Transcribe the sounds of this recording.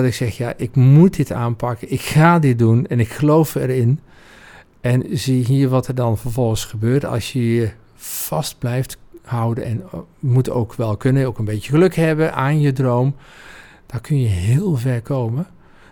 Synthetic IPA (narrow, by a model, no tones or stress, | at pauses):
ɔtɪksɛxjaʔɪkmut̚dɪta̰ːnpʰakəɪkxaːdɪdunɛnɪkxəlowfɛrɪn | ɛnziɦiːəɹʋɔtɛrdɔnfərvɔlˠɣənsxəbøːɹtɑ̰lˠsjəiə | fɑst̚blɛjfthawdənɛnmuto̰ːkʰʋɛlˠkønəjowkənbeːtjəxəløkhɛbəʔaːnjədrowm | d̥ɔkʰønjəɦɪːlˠvɛrkʰoːmə